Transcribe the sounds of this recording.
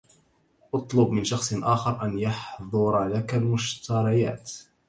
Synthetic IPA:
ʔɑt̪ˤlʊbmɪnʃɑxsˤʔaːxɑɾˤʔanjɑħðˤʊɾˤlakalmʊʃt̪ɑɾˤɑja̰ːt̪

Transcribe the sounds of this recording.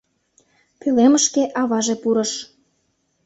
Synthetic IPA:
pyleməʃkeʔɑβɑʒepuɾɤ̆ʃ

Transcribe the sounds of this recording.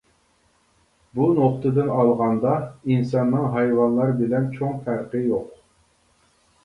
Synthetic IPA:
bunoχt̪ʰɨd̪ɨnɑlˠʁɑnd̪ɑinsɑnːɨŋɦɑjwɑnlˠɑɾbɪlɛnt͡ʃʰoŋfæɾqəjoq̚

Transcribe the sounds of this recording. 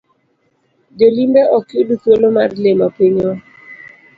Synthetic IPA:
d͡ʒolimbɛʔɔkjodutolomarlemapiɲo

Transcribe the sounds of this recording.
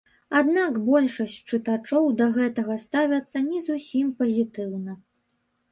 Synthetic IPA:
ad̪nakbɔlʲʂɐsʲt͡ɕʲt͡ʂɨt̪at͡ʂɔwd̪ɐɣɛt̪ɐɣɐst̪avʲɐt̪sːɐnʲizusʲimpɐzʲit̪ɨwnɐ

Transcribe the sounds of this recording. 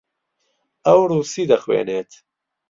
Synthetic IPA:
ɐwɾuːsiːd̪ɐxwḛːneːt̪ʰ

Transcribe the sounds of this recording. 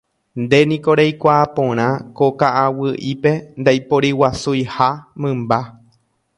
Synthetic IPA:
nd̪e̞nĩko̞ɾejkʷaːpõ̞ɾ̃ãko̞kaʔawɨʔipe̞nd̪ajpoɾiwasujhamɨ̃mba

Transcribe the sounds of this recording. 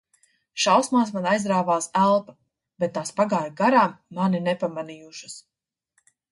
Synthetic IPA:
ʃawsmaːsmanajzd̪ɾaːvaːsælˠpḁ | b̥ɛt̪̚ːaːspaɡaːɾɡaɾaːmːaniɾnɛpamanijuʃɐs

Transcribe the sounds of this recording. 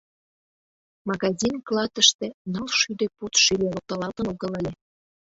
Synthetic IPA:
mɑɣɑzʲinklˠɑt̪əʃt̪ĕnɑlʃyd̪ĕput̪ʃylʲeot̪ə̆lˠɑt̪ə̆noɣɤ̆lelʲe

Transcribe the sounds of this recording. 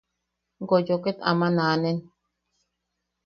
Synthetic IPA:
ŋɡojoket̪a̰manaːnen

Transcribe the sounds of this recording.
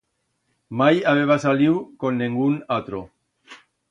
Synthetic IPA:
majaβeβ̞asaliwkonːeŋɡunat̪ɾo

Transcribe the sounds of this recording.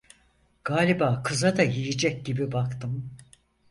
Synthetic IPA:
ɡ̥aːlʲibaːkʰɯzad̪ajijid͡ʒɛc̚ɟibibakt̪ʰɯm

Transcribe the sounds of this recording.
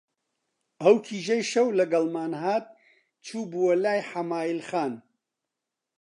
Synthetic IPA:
ɐwkʰiːʒɐjʃɐwlɐɡɐlmaːnɦaːt̪̚ | t͡ʃʰuːbuwɐlaːjħamaːjilxaːn

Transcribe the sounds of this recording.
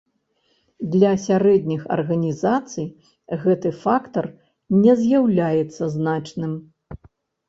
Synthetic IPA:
d̪lʲɐsʲaɾɛd̪ʲnʲixɐ̰rɣɐnʲizat̪sɨj | ɣɛt̪ɨfakt̪ɐr | nʲɛzʲjawlʲajɛt̪sːɐznat͡ʂnɨm

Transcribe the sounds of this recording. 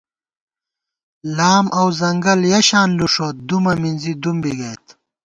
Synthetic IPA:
laːmʔɐwzɐŋɡɐljɐɕaːnluʂoːt̪̚d̪umɐminzid̪umbiɡɐjt̪

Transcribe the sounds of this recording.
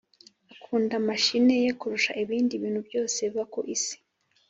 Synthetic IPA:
akʰuːndamaʃine̞jekuɾuʃa̰ʔiβiːndiβiːnhubjo̞ːse̞βakoʔisi̥

